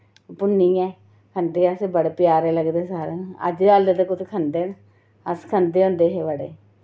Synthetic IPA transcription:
pʊnːiːɛː | kʰənd̪eːəsebəɽeːpɪjaːɾeːləɡd̪eːsaːɾẽə̰d͡ʒaːld̪ed̪eːkʊt̪ʰekʰənd̪eːn | əskʰənd̪eːõːnd̪eːɦeːbəɽeː

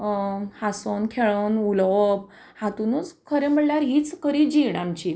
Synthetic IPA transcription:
hasonkʰeɭənuləʋəb | hat̪unuːt͡skʰəɾem̤əɽljaɾɦiːt͡skəɾid͡ʑiɽ̃amt͡ɕi

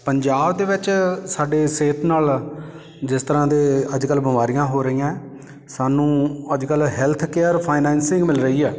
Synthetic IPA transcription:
pəɲd͡ʒaːbd̪eːʋɪt͡ʃsaːɖeːseːt̪ʰnaːl | d͡ʒɪst̪əɾãːd̪eːəd͡ʒkəlbəmaːɾijãːɦoːɾəiːjãː | saːnũːəd͡ʒkəlɦɛːlt̪ʰkeːəɾpʰaːɪnɛ̃ːnsɪ̃ŋɡmɪlɾəiːɛː

